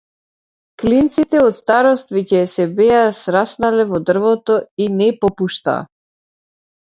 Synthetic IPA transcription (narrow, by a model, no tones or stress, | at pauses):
klint̪sit̪ɛɔt̪st̪aɾɔst̪vɛcɛsɛbɛasɾasnalɛvɔd̪r̩vɔt̪ɔinɛpɔpuʃt̪a̰ː